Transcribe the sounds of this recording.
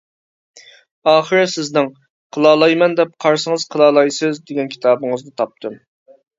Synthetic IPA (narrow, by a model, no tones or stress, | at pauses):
ɑːχəɾɨsɪznɪŋ | qʰəlˠɑːlˠɑjmɛnd̪ɛp̚qʰɑɾsəŋəzqʰəlˠɑːlˠɑjsɪzd̪eɡʲɛnkʲʰi̥t̪ʰɑːbɨŋɨzd̪ɨt̪ʰɑp̚t̪ʰɨm